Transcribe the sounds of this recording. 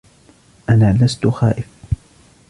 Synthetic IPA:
ʔanaːlast̪ʊxa̰ːʔɪf

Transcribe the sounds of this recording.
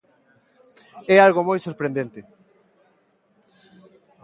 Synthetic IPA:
ɛalɣomojsoɾpɾẽnd̪ent̪ɪ

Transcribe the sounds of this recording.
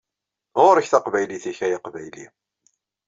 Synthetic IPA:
ʁʊɾəçθaqvæjliθiçæjɑqvæjlḭ

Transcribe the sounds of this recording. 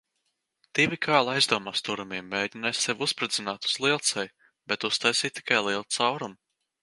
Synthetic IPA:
d̪̥ivʲikʰɑːlˠajzd̪uɔmast̪uɾumiɛmːeːɟinajssevʲuspɾɨd̪zinaːt̪u̥z̥lˠit̪sɛj | b̥ɛt̪ust̪ajsiːt̪t̪i̥kajlˠiɛlˠt̪sawɾum

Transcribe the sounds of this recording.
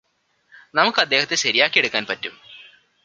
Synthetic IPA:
nɐmukːɨɐd̪ːeːhɐt̪ːeɕɐɾijaːkːieɽukːaːnpɐtːum

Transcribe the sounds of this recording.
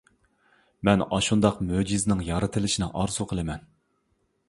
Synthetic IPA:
mɛnɑʃund̪ɑqmød͡ʒiznɪŋjɑɾɨt̪ʰɨlɪʃinɪʔɑɾzuqʰəlˠɨmɛn

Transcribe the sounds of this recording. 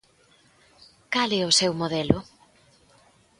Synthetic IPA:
kalɛʊsewmoðɛlʊ

